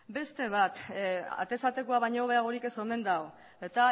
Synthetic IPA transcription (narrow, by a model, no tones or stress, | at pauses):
be̞st̪e̞β̞at̪a̰t̪e̞sat̪e̞koaβ̞ajɲoβ̞e̞aɣ̞o̞ɾike̞so̞me̞nd̪ao | et̪a